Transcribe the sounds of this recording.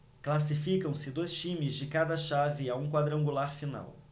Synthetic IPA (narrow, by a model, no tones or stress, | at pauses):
klasifikɐ̃w̃sɪd̪ojst͡ʃĩmɪzd͡ʒɪkad̪ɐʃavɪaũkwad̪ɾɐ̃ŋɡulaɾfina̰w